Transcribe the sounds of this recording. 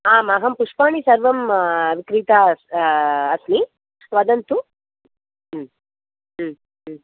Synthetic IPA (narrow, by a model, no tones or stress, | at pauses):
aːmɐɦɐmpuʂpaːɳisɐɾʋɐmʋikɾiːt̪asɐsmi | ʋɐd̪ɐnt̪u